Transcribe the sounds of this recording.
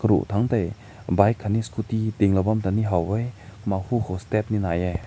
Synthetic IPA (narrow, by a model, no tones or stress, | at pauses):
kəɾṵʔtʰaŋtaj | bajkʰːaniskutideŋlabamtaniɦawajmahukʰowstep̚ninajaj